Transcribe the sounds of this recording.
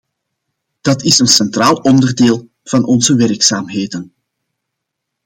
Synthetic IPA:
d̥ɑtɪsənsɛnt̪raːlˠɔndərdeːlˠ | v̥ɑnʔɔnzəʋɛrksaːmɦeːdən

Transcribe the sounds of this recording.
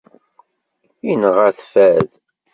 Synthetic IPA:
inəʁæθfæð

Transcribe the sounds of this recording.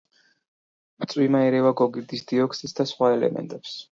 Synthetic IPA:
mɾt̪sʼwimaɛɾɛvaɡɔɡiɾd̪isd̪iɔksɛsd̪asχwaɛlɛ̰mɛ̰nt̪ʼɛps

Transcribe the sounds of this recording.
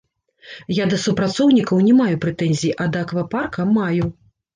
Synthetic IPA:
jad̪ɐsupɾat̪sɔwnʲikɐwnʲɛmajupɾɛt̪ɛnʲzʲijiʔɐd̪ɐːkvaparkɐmaju

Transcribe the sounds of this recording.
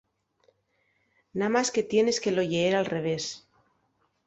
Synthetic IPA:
namaske̞t̪je̞ne̞ske̞lo̞ʝeeɾalre̞β̞e̞s

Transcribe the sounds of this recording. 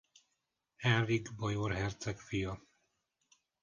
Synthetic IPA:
hɛriɡbojorɦɛrt̪sɛkfijɒ

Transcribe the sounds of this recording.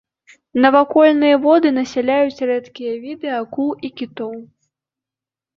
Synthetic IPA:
nɐvakɔlʲnɨjɐvɔd̪ɨnɐsʲɛlʲajut͡sʲrɛt̪kʲijɐvʲid̪ɨakuikʲit̪ɔw

